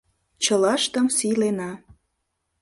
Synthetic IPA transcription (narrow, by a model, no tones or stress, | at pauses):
t͡ɕəlɑʃt̪ə̆msilenɑ